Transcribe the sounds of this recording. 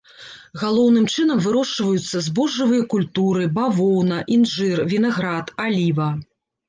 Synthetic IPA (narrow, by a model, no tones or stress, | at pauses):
ɣalˠɔwnɨmt͡ʂɨnɐmvɨɾɔʂt͡ʂvɐjut̪sːɐzbɔʐːɨvɨjɐkulʲt̪uɾɨbavɔwnɐʔinʐɨrvʲinaɣɾat̪alʲivɐ